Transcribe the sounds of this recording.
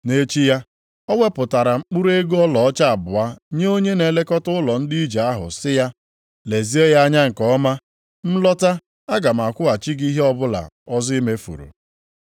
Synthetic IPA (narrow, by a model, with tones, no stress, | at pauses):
ne˦t͡ʃi˦ja˦ | ɔ˦we˦pʊ˨ta˨ɾa˨ŋ͡m̩˦k͡pu˦ɾe˦ɡɔ˦lɔ˨ɔ˦t͡ʃa˦a˨bʊ˨a˦ɲe˦o˦ɲe˦ne˨le˦kɔ˦tʊ˦ʊ˦lɔ˨n̩˦di˦i˦d͡ʒe˨a˦ɦʊ̰˨sɪ˦ja˦ | le˨zi˦e˦ja˦ɲa˦ŋ̩˨kɔ˦ma˦ | m̩˦lɔ˦ta˦ | a˦ɡa˨m̩˨a˨kʷʊ˦a˨t͡ʃi˦ɡi˦ɦe˦ɔ˦bʊ˦la̰˨ɔ˦zi˦i˦me˦fṵ˨ɾṵ˨